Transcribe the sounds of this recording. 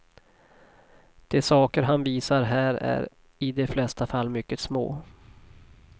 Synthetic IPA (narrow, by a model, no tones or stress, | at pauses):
d̪̥ɛsɑːkəɾɦanviːsaɾɦæːɾæ̰ɾ | ɪd̪ɛflɛst̪afalːmʏkːəsmo̰ː